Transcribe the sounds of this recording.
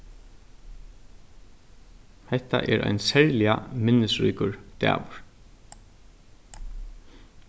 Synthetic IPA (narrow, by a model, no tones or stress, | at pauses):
hɛht̪a̰ʔɛɾʔa̰jnsɛɹlɪamɪnːɪsɾiːkʊɹt̪æ̰ːʋʊɹ̥